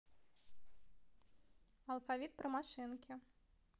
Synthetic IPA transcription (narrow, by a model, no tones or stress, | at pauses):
ɐlˠfavʲit̪̚pɾɨmaʂɨnkʲʰi